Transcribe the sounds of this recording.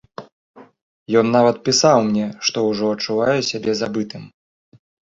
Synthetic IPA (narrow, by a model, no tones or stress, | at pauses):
jɔnːavɐt̪̚pʲisawmnʲɛʂt̪ɔwʐɔɐt͡ʂːuvajɛsʲabʲɛzabɨt̪ɨm